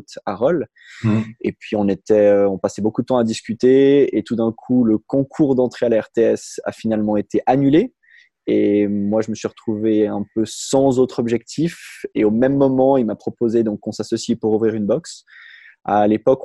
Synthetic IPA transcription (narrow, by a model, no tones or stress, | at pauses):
t̪aʁɔl | epɥiɔ̃net̪ɛøɔ̃pasɛbokud̪ət̪ɑ̃ad̪iskʲyt̪eet̪ud̪ɛ̃kʰuləkɔ̃kʰuʁd̪ɑ̃t̪χealaɛʁt̪eɛsa̰finalmɑ̃et̪eʔanyle | emwaʒəməsɥiʁət̪χuveɛ̃pøsɑ̃zot̪χɔbʒɛk̚t̪ʰifeomɛmːɔmɑ̃ilmapχɔpozed̪ɔ̃kːɔ̃sasɔsjipuʁuvʁiʁynbɔks | a̰lepɔk